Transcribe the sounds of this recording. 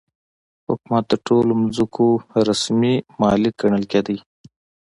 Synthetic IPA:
hʊ̰kmat̪̚d̪əʈolomzukʰoɾasmimɑlɪk̚ɡəɳəlked̪əj

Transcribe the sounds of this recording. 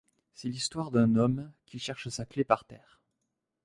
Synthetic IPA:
sɛlist̪waʁd̪ɛ̃nɔmkʲilʃɛʁʃəsaklepaʁt̪ɛːʁ

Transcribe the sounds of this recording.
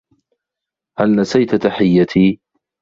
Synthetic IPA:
halnasajt̪t̪aħɪjːat̪ʰiː

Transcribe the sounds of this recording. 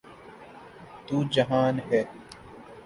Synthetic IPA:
t̪uːd͡ʒɐɦaːnɦɛː

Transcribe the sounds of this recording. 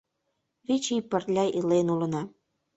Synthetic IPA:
βit͡ɕipərlʲɑjʔilenulənɑ

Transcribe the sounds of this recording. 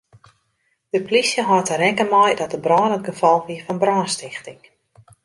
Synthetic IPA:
d̥əplisjəɦɔrtəɾɛkəmɔjdɔt̚əbrɔːnət̚ɡəfɔlˠʋiəfɑnbrɔːnstɪxtɪŋ

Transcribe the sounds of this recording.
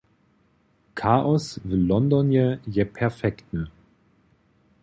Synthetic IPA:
kʰaːʔɔsvɪlːɔndɔnjəjɛpʰɛɐfɛktnə

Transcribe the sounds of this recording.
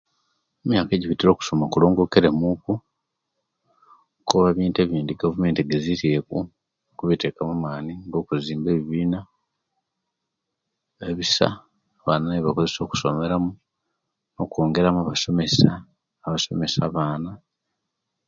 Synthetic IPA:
emjaːke̞ɟiβitiɾo̞ːku̥somakulo̞ːŋɡo̞keɾe̞muku | koβaβiːnte̞ːβiːndiɡavume̞ːntiɡe̞ziɾieku | kuβite̞ːkamumaːniŋɡo̞ːkuziːmbe̞ːβiβiːna | eβisa̰ | βaːnaneβako̞ze̞so̞ːku̥so̞me̞ɾamu | no̞ko̞ːŋɡe̞ɾamaβasomesaː | βaso̞̰me̞saβaːna

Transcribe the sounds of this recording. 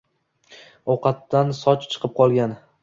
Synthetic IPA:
ɒwqɑt̪ːansɒt͡ʃt͡ʃʰɨ̥qʰɨp̚qʰɒlˠɡʲan

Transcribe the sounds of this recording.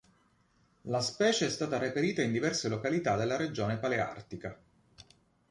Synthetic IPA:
laspɛːt͡ʃeɛst̪aːt̪aɾipeɾiːt̪aind̪ivɛrselokalit̪ad̪elːaɾed͡ʒoːnepalea̰rt̪ika

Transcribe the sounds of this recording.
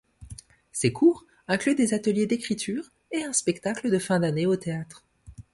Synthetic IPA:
sekʰuʁ | ɛ̃klyd̪ezat̪əljed̪ekχit̪ʰyʁ | eɛ̃spɛkt̪akləd̪əfɛ̃d̪aneot̪eat̪χ

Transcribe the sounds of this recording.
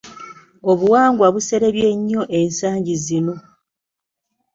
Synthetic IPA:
oβuwaːŋɡwaβuse̞ɾeβje̞ɲːo̞ʔe̞nsaːɲɟizino̞

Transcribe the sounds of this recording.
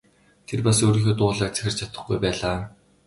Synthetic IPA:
t̪ʰerpasoːɾiːŋxeːt̪ʊːɮaːk̚t͡sæ̥xʲɪ̆r̥t͡ɕʰat̪ə̆χɡujpæːɮaː

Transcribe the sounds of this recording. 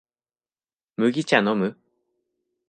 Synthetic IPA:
mɯ̟ɡʲit͡ɕanomɯ

